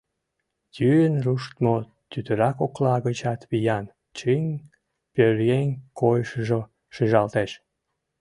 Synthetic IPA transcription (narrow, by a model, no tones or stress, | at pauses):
jyjənruʃt̪mo | t̪yt̪əɾɑkoklɑɣət͡ɕɑt̪βijɑn | t͡ɕinʲ | pʲøɾɣenʲkojʃəʒo | ʃiʒɑlt̪eʃ